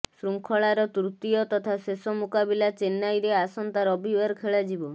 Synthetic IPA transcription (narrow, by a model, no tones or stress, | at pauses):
sɾuŋkʰɔɭaɾɔt̪ɾut̪iɔt̪ɔt̪ʰasesɔmukabilat͡ʃenːajɾeasɔnt̪aɾɔbibaɾkʰeɭad͡ʒibɔ